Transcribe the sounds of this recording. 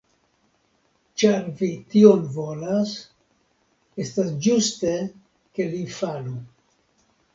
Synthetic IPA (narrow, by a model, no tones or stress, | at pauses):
t͡ʃaɾvitio̞nvo̞las | e̞stasd͡ʒuste̞ | ke̞lifalu